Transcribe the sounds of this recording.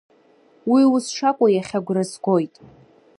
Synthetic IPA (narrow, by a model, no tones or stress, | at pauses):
wiwʊsʂakʷʼajaχʲaɡʷrɨzɡʷojtʼ